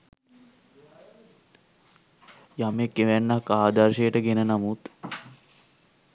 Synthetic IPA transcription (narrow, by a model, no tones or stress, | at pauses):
jamekːeʋænːakːaːd̪arʃejəʈəɡenənamut̪